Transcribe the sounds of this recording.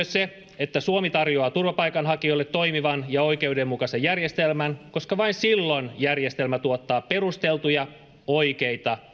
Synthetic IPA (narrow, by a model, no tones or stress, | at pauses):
øsse | et̪ːæsuomit̪ɑrjoɑːt̪urʋɑpɑikɑnɦɑkiolːet̪toimiʋɑnjɑo̞ikeudemmukɑsejærjest̪elmænko̞skɑʋɑinsilːonjærjest̪elmæt̪uot̪ːɑːperust̪elt̪ujɑ | oikeit̪ɑ